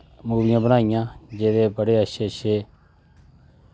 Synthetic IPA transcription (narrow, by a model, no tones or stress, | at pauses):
muːʋɪjãːbənaːɪjãːd͡ʒeːd̪eːbəɽeːəʃeːʃeː